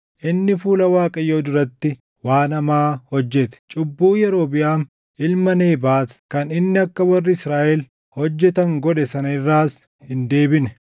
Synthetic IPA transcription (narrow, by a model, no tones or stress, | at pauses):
ʔɪnːɪfuːlɐwaːkʼɐjoːd̪ʊɾɐt̪ːɪ | waːnɐmaːhɔd͡ʒːɛt̪ɛ̥t͡ʃʼʊbːuːjɛɾo̞ːbɪjaːm | ʔɪlmɐneːbaːt̪kɐnɪnːɪɐkːɐwɐrːɪɪsɾaːʔɛl | hɔd͡ʒːɛt̪ɐŋɡɔᶑɛsɐnɐɪrːaːs | hɪnd̪e̞ːbɪnɛ